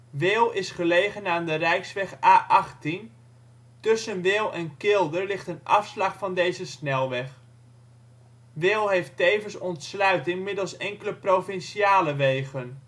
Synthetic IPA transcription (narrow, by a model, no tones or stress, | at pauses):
ʋɪlˠɪsχəlejχənaːndərɛjksʋɛχaːʔɑχtin | tɵsənʋɪlˠɛnkɪlˠdərlɪχtənʔɑfslɑχfɑndejzəsnɛlˠʋɛχ | ʋɪlˠɦejftejvəsɔntslœɥtɪŋmɪdəlˠsɛŋkələprowfɪnʃiaːləʋejχən